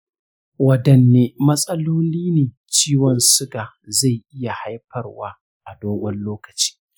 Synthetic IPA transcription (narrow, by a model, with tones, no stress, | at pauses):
wɐ˨dɐ˨nːeː˦mɐ˦sʼɐ˦loː˦liː˦neː˨ | t͡ʃiː˦wɔ˨nsʊ˦ɡaː˨ | za˦˨jʔɪ˦ja˨ha˦jɸɐ˦˨rwaː˦ | ʔa˨doː˦ɡʷɔ˦nloː˦kɐ̥˨t͡ʃi̥ː˦